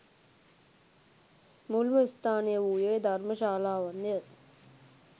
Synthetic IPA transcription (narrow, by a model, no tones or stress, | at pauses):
mulʋəist̪ʰaːnejəuːjejd̪ʱarməʃaːlaːʋanjə